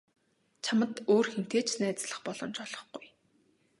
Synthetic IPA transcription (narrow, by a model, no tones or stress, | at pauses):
t͡ɕʰamə̆t̪oːrxen̥t̪eːt͡ɕnæːt͡sɮə̆χpɔɮɞ̆mt͡ɕɔɮ̥ɞ̆χɡuj